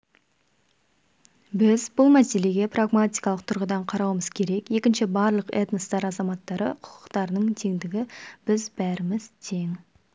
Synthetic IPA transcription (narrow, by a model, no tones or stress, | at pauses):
bɪzbʊlˠmæse̞le̞ɡʲe̞praɡmat̪ʲijkɑlˠəq̚t̪ʰʊɾʁəd̪ɑɴqʰɑɾɑwəməz̥kʲʰe̞ɾe̞ke̞kʲɪnʃɪbɑɾlˠəqḛt̪nəst̪ɑɾɑzɑmɑt̪ːɑɾə̰qʰʊ̥qʰʊ̥qt̪ɑɾnəɴt̪ʰe̞ŋd̪ɪɡʲɪb̥ɪzbæɾɪmɪzt̪ʰe̞ŋ